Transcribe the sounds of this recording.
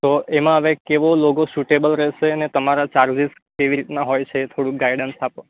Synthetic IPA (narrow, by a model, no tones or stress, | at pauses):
t̪oʔemãəʋekeʋoloɡosuʈebəlɾɛʃeənet̪əmaɾat͡ʃaɾd͡ʒis | keʋiɾit̪naɦojt͡ʃʰet̪ʰoɽũɡajɽənsapo